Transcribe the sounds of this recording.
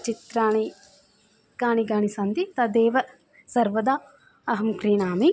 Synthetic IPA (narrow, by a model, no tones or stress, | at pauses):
t͡ʃit̪ɾaːɳi | ɡ̥aːɳiɡaːɳisɐnd̪it̪ɐd̪eːʋɐ | sɐɾʋɐd̪aː | ɐɦɐmkɾiːɳaːmi